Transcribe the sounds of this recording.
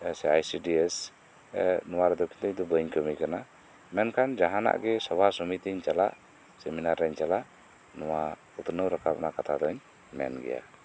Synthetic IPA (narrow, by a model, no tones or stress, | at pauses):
sɛajsidiɛs | nɔwaɾd̪ɔki̥t̪ɛit̪ubəɲkəmikana | mɛnkand͡ʒaɦana̰ʔɡɛsɔwasɔmit̪iɲt͡ʃala̰ʔ | sɛminaɾɛɲt͡ʃalaʔ | nɔwat̪ut̪unəwɾakap̚nakat̪ad̪ɔɲ | mɛ̰nɡɛ̰ja̰